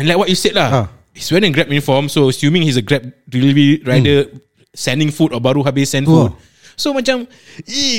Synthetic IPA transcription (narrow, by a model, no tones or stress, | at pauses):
ɛ̃nlaɪk̚wɔt̚juset̚la | hiswɛɾ̃ɡɹɛp̚jũnifɔmsoəsjũmĩŋhisəɡɹɛp̚ɹiliwiɹajdə | sɛ̃ndĩŋfutɔbaɾuɦabesɛ̃nfut̚ | somat͡ʃãm | i